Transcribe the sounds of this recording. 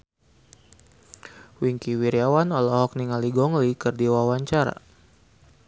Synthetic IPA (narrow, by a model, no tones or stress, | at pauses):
wiŋkiwiɾiawanɔlɔɦɔk̚niŋaliɡɔŋlikɨrdiwawaɲt͡ʃaɾa̰